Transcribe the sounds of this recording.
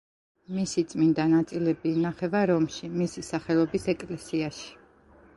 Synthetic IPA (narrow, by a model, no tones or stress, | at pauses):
misit̪sʼmind̪anat̪sʼilɛbiːnaχɛvaɾɔmʃimisisaχɛlˠɔbisɛkʼlɛsiaʃi̥